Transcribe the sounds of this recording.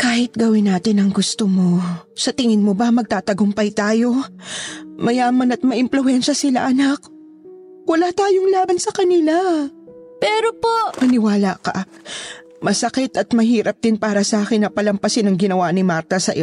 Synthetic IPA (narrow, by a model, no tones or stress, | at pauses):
kaːhɪt̪̚ɡɐwɪnːaːt̪ɪnɐŋɡʊst̪omo̞sɐt̪ɪŋɪnmobɐmɐɡ̚t̪aːt̪ɐɡʊmpɐjt̪aːjo̞ | mɐjaːmɐnɐt̪̚mɐʔɪmplʊɛnʃɐsɪla̰ʔɐnak̚ | wɐlaːt̪aːjoŋlaːbɐnsɐkɐnɪla | pɛːɾopo̞ʔmɐnɪwaːlakɐ̰ | mɐsɐkɪt̪ɐt̪mɐɦiːɾɐp̚d̪ɪnpaːɾɐsɐʔaːkɪnːɐpɐlɐmpɐsɪnɐŋɡɪnɐwanɪmaɾt̪ɐsɐʔɪ